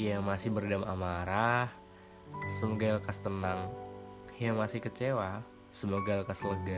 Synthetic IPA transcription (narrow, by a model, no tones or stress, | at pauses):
jamasɪhbərdamʔa̰maɾah | səmoɡalkast̪ənaŋ | jaŋmasɪhkət͡ʃewa | səmoɡalkasləɡa